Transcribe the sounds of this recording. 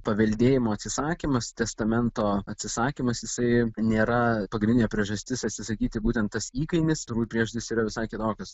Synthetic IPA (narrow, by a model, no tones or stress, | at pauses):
pɐʋʲɛlʲd̪ʲeːjɪmoːɐt̪ʲsʲɪsɑːkʲiːmɐst̪ʲɛst̪ɐmʲɛnt̪oːɐt̪ʲsʲɪsɑːkʲimɐsjɪsɐɪnʲeːɾɐpɐɡʲnʲɪnʲɛpʲɾʲiɛʒɐsʲt̪ʲɪsɐt̪ʲsʲɪsɐkʲiːt̪ʲɪbuːt̪ʲɛnt̪t̪ːɐsiːkɐɪmʲɪst̪ʊɾuːjpʲɾʲiɛʒʊt̪ʲɪsiːɾɐʋʲɪsɑɪkʲɪt̪oːkʲʊs